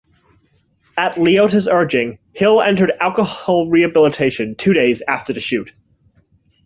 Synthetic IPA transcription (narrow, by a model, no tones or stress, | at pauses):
ɨtˡlioʊɾɨzɜ˞d͡ʒɪ̃ŋ | hɪlˠɛ̰̃ntə˞ɾælˠkəhɑlˠɹiɨbɪlˠətʰeɪʃɨ̃ntʰʉɾeɪzæftə˞ðɨʃʉt̚